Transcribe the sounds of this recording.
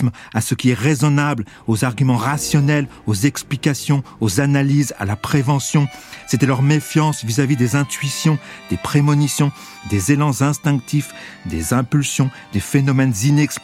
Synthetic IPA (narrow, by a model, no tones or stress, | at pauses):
m | asəkʲiɛʁezɔnabl | ozaʁɡʲymɑ̃ʁasjɔnɛl | ozɛksplikʲasjɔ̃ozanaliza̰lapχevɑ̃sjɔ̃set̪ɛlœʁmefjɑ̃svizavid̪ezɛ̃t̪ɥisjɔ̃d̪̥epχemɔnisjɔ̃ | d̪ezelɑ̃zɛ̃st̪ɛ̃k̚t̪if | d̪ḛzɛ̃pylsjɔ̃d̪efenɔmɛnzinɛks